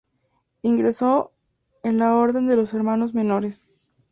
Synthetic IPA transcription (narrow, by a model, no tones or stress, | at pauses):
iŋɡɾeso̞ | enlao̞ɾðe̞nd̪e̞lo̞se̞ɾmãno̞zmẽ̞no̞ɾe̞s